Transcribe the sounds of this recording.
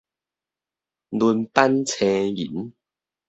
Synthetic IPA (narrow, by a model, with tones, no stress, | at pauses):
lu˧npa˦nt͡sʰɛ̃˧jḭ˨˦n